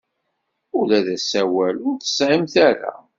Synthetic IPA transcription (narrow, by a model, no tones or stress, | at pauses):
ʊlæðæsæwælʊɾθə̥sʕimθæɾa̰